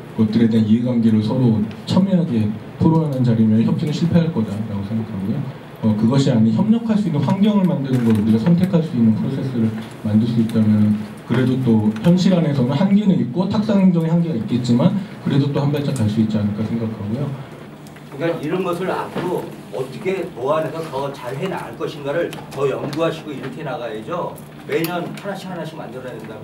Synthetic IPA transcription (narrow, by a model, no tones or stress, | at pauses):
ɡ̥ʌt̚t͈ɯɾe̞denieɡwaŋɡeɾosʰʌɾot͡ɕʰamjiɦaɡe̞tʰoɾoɦanɯnt͡ɕaɾimjʌnçjʌp̚t͡ɕ͈inɯɭɕʰiɭpʰe̞ɦaɭk͈ʌdaɾaɡosʰe̞ŋɡakʰaɡojo | ʌkɯɡʌɕʰiaɲiçjʌmɲʌkʰaɭs͈uinːɯnɸwaŋɡjʌŋɯɭmandɯnɯnɡʌɾondiɡasʰʌntʰekʰaɭs͈uinːɯnpʰɯɾosʰe̞s͈ʰɯɾɯɭ | mandɯɭs͈uit̚t͈amjʌnɯn | kɯɾe̞dot͈oçjʌnɕʰiɾane̞sʰʌnɯnhaŋɡinɯnit̚k͈otʰak̚s͈aŋɦeŋd͡ʑʌŋehaŋɡiɡait̚k͈e̞t̚t͡ɕ͈imankɯɾe̞dot͈ohambaɭt͡ɕ͈akaɭs͈uit̚t͡ɕ͈ianɯɭk͈asʰe̞ŋɡakʰaɡujo | kɯŋkaniɾʌnɡʌsʰɯɾa̰p̚k͈ʰo | ʌt͈ʌkʰe̞toaɦanensʰʌtʌt͡ɕaɭɦena̰ɯɭk͈ʌɕʰinɡaɾɯɭtʌjʌŋɡuɦaɕʰiɡoiɾʌkʰe̞naɡaed͡ʑʌ | me̞ɲʌnʰanaɕʰiɦanaɕʰmandɯɾanɯndajo